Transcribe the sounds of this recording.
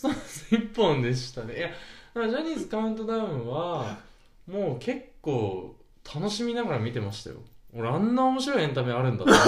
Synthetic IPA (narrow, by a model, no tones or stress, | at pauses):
soːasɨipːõ̞nd̪e̞ɕi̥t̪ane̞janad͡ʑaɲ̟ʲiːzɨkaɯ̟̃nt̪o̞d̪amɯ̟βa | mo̞ːkʰe̞kːo̞ː | t̪ʰano̞ɕimʲinaɡaɾamʲit̪e̞maɕi̥t̪a̰jo̰oɾeãnːaomo̞ɕiɾo̞ihent̪̬ameaɾɯ̟̃nd̪a̰